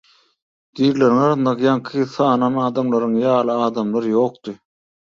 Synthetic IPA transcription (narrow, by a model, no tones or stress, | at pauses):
d̪̥iːɾleɾiŋɑɾɯnd̪ɑqjɑŋkʰɯθɑːnɑnɑːd̪ɑmlˠɑɾɯŋjɑːlˠɯɑːd̪ɑmlˠɑɾjo̞ːq̚t̪ɯ